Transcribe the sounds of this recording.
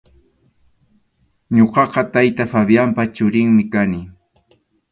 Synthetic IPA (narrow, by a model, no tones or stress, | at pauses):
ɲoqɑqɑt̪ajt̪afaβjampat͡ʃʊɾɪŋmɪkanɪ